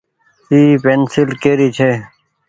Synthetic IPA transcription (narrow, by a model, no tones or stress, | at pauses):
iːpensilkeːɾit͡ɕʰe